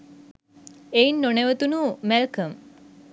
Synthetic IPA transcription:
einːoneʋət̪unumɛlkəm

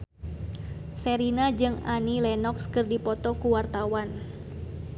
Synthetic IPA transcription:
sɛɾinad͡ʒɨŋanilɛnɔkskɨrdipɔt̪ɔkuwart̪awan

